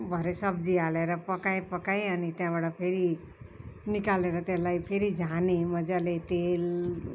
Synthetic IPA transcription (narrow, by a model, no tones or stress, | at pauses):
bʱʌɾesʌb̚d͡zialeɾʌpʌkajpʌkajʌnit̪jãbaʈʌpʰeɾi | nikaleɾʌt̪elajpʰeɾid͡zʱanemʌd͡zalet̪el